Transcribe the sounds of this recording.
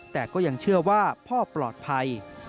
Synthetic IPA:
t̪ɛː˨˩kɔː˥˩ja˧ŋt͡ɕʰɯ˥˩ɐwaː˥˩pʰɔː˥˩plɔː˨˩t̪̚pʰa˧j

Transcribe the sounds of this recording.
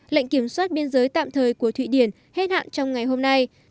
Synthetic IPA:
la̰˧˨jŋ̟ki˧˩əmswaː˦˥t̚ɓi˧ənzəː˨˦jt̪a̰ː˧˨mt̪ʰəː˨˩jku˧˩ət̪ʰwḭ˧˨ɗi˧˩ən | he˦˥t̚ha̰ː˧˨nt͡ɕɔ˧wŋ͡mŋa˨˩jɦo˧mna˧j

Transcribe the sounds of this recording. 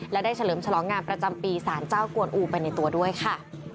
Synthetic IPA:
lɛ˦˥daː˥˩jt͡ɕʰa˧lɤː˩˦mt͡ɕʰa˧lɔː˩˦ŋːaː˧npɾa˧t͡ɕa˧mpiː˧saː˩˦nt͡ɕaː˥˩wku˧ənʔuː˧pa˧jna˧jt̪u˧ɐdu˥˩əjkʰa˥˩

